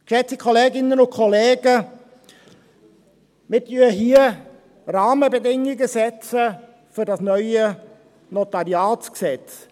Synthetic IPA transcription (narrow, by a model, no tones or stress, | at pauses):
kʃɛt͡sikʰɔleːɡɪnənʊnkʰɔleːɡə | mɪtyːɦiːə | ɾɑːməbədɪŋɪɡəsɛt͡sə | fyɾdɑsnœʏə | nɔtɑɾiaːt͡sksɛt͡s